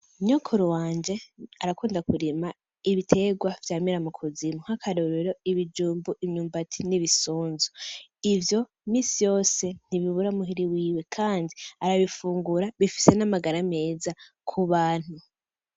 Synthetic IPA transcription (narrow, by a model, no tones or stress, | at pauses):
ɲokʰoɾuwaːɲd͡ʒe̞aɾakuːndakuɾima | iβitʰe̞ɡwavjaːmiɾamukʰuzimuhakʰaɾoɾeɾo̞iβid͡ʒuːmbuʔimɲuːmbatʰi̥niβisuːnzuivjo̞imiːsijo̞ːse̞n̥iβiβuɾamuɦiɾiwiːwe̞kʰaːndiaɾaβifuːŋɡuɾaβifi̥se̞namaɡaɾame̞ːza | kʰuβaːn̥hu